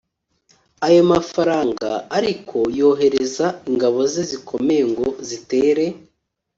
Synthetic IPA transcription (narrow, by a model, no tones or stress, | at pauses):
ajomafaɾaːŋɡa̰ːɾikʰo̞jo̞ːɦe̞ɾe̞zaiŋɡaβo̞zezikʰo̞me̞ŋɡo̞zite̞ːɾe̞